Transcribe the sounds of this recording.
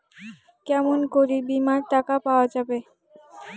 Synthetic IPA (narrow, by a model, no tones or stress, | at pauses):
kɛmonkoɾibimaɾʈakapaoad͡ʑabe